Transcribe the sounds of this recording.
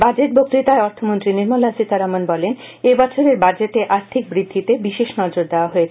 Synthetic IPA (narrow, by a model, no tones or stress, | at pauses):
bad͡ʑeʈ̚bok̚t̪ɾit̪aeɔɾt̪ʰomont̪ɾiniɾmolasit̪aɾamonbɔlen | ebɔt͡ɕʰoɾeɾbad͡ʑeʈeʔaɾt̪ʰik̚bɾid̪ʱːit̪ebiʃeʃnɔd͡ʑoɾd̪eoaɦoet͡ɕʰe